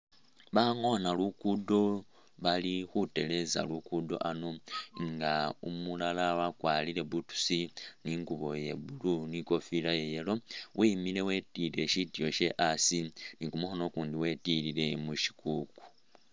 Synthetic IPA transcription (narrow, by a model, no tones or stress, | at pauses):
βaŋo̞nalukudo̞ | βalixute̞le̞za̰lukudo̞̰ʔano̞ŋɡaumulalawakwaːlile̞βutu̥siniŋɡuβo̞je̞̰βuluniko̞filajejelo̞wʔimile̞we̞tiɾe̞ʃitijo̞ʃe̞ʔasinikumuxono̞kuːndiwe̞tilile̞muʃi̥kuku̥